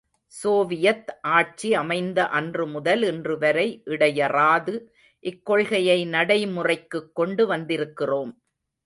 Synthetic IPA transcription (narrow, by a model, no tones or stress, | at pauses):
soːʋɪjɐt̪ʔaːʈ̚t͡ʃiɐmɐɪnd̪ɐʔɐndrɯmʊðɐlɛndrɯʋɐɾɐɪʔɪɽɐjɐraːðɯ | ʔɪkːɔɭɣɐjɐɪnɐɽɐɪmʊrɐɪkːɯkːɔɳɖɯʋɐnd̪ɪɾɯkːɪroːm